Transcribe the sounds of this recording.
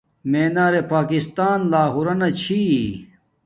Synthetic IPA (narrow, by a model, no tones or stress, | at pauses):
meːnaːɾepaːkist̪aːnlaːɦuɾɐnɐt͡ɕʰi